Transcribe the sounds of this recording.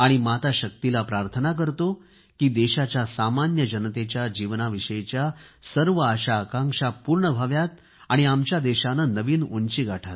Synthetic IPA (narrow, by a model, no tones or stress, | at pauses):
aɽ̃imat̪aɕək̚t̪ilapɾaɾt̪ʰənak̬əɾt̪o | kiːd̪eɕat͡ɕjasamanjəd͡ʑənt̪et͡ɕjad͡ʑiʋnaʋiʂəjet͡ɕjasəɾʋəəɕaəkãŋʂapuːɾɳəbʱaʋjat̪̚ | aɽ̃iamt͡ɕjad̪eɕanənəʋiːnunt͡ɕiːɡaʈʰat̪